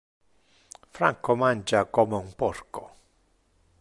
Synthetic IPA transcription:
fɾa̰ŋkomand͡ʒakomeumpɔrko

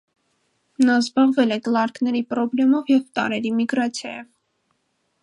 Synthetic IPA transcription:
nɑzbɑʁvɛlɛkəlɑɾknɛɾipɾɔblɛmɔvjɛvt̪ɑ̰ɾɛɾimiɡɾɑt͡sʰjɑ̰jɛ

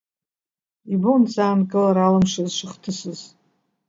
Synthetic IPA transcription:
ibɨnt͡saːnkʼɨlaɾalamʂɨzʂɨχtʰɨsɨz

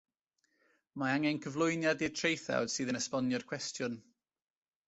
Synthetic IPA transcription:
maaŋɛnkʰəvlˠʊjnjaditʰrejθa̰wd̥siːðənəspɔnjɔdkʰw̥ɛstjɔn

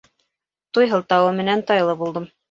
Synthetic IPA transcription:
t̪ujɦɤ̆lˠt̪ɑwɤmɘ̆nænt̪ɑjɤ̆lˠɤbulˠd̪ɤm

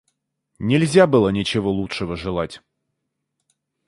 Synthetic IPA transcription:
nʲɪlʲzʲabɨlˠənʲɪt͡ɕɪvo̞lˠutʂɨvəʐɨlˠatʲ

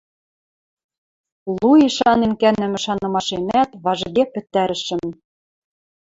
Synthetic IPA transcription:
luiʃɑnenkænɘ̆mɘ̆ʃɑnɤ̆mɑʃenæt̪βɑʒd̪epɘ̆t̪æɾɘ̆ʃɘ̆m

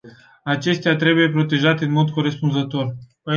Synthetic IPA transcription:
at͡ʃest̪ʲjat̪ɾebujepɾot̪eʒat̪enmot̪koɾesponzat̪or

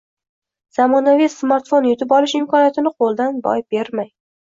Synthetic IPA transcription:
z̥amɒnavijsmaɾt̪fonjʊt̪ʰɪpɒlɪʃɪmkʰɒnijat̪ʰɪnɪqʰolˠd̪anbɒ̰jbeɾmaj

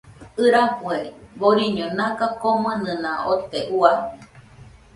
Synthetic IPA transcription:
ɨɾapueiboɾiɲõnãkakomɨ̃nɨ̃nãʔot̪eʔua

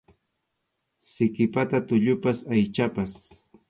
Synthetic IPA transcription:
sɪkɪpat̪at̪ʊʎʊpasajt͡ʃapas

